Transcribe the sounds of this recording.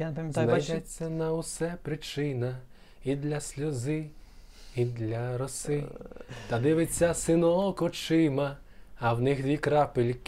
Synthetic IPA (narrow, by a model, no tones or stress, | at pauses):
zʋdɛt͡sʲːɐnɐʊsɛpɾɪt͡ʃɪnɐ | id̪lʲɐsʲlʲʊzɪ | id̪lʲɐɾɔsɪt̪ɐd̪ɪʋet͡sʲːɐsɪnɔkɔt͡ʃɪmɐː | wnɪxd̪ʋʲikɾɑpɪlʲk